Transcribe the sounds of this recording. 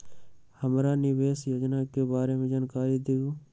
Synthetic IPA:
həmɾaːnɪʋeːsjoːd͡ʒnakebaːɾemẽd͡ʒaːnkaːɾid̪iɡoː

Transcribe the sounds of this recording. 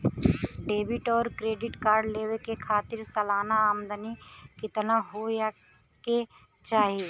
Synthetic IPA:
ɖeːbɪʈɔːɾkɾeːɖɪʈkaːɾɖleːʋekekʰaːt̪ɪɾsɐlaːnaaːmd̪ənikɪt̪naɦoja | ke | t͡ʃaːɦieː

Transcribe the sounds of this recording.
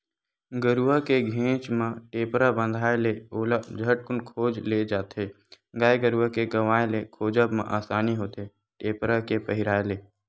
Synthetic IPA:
ɡəɾuəkeɡʱẽːt͡ʃmẽʈeːpɾabə̃nd̪ʱaːeleoːlad͡ʒʱəʈ̚kʊnkʰoːd͡ʒled͡ʒaːt̪eː | ɡaːeɡəɾuəkeɡəʋaːẽlekʰoːd͡ʒəbmḛ̃ʔaːsaːniɦoːt̪e | ʈeːpɾakepəɦɪɾaːeleː

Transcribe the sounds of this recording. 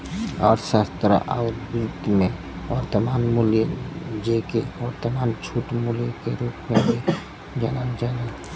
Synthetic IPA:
ɔːɾsast̪ɾa̰ʔaʋɾd̪ut̪mẽ | ʋəɾt̪əmaːnmuljd͡ʒekeʋɔɾt̪əmaːnt͡ʃʰuːʈmuljkeɾuːpmẽbi | d͡ʒanand͡ʒana

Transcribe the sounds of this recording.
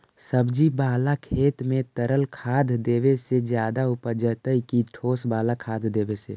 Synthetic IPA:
səbd͡ʒibaːlakʰeːt̪mẽt̪əɾəlkʰaːd̪ʱd̪eːwesed͡ʒjaːd̪aʊpəd͡ʒət̪əikiʈʰoːsbaːlakʰaːd̪ʱd̪eːwesḛː

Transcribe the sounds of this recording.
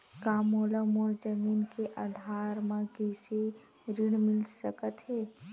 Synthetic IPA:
kaːmoːləmoːɾd͡ʒəmiːnkeʔad̪ʱaːɾmãkise | ɾɪɽ̃mɪlsəkət̪ɦɛː

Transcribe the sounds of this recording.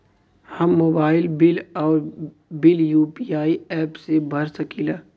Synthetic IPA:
hɐmːoːbaːɪlbɪlɔːɾ | bɪljuːpiaːiɛːpsebʱɐɾsɐkiːlaː

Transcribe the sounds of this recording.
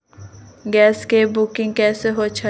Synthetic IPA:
ɡɛːskebʊkɪ̃ŋɡ̚kɛːseɦoːt͡ʃʰə

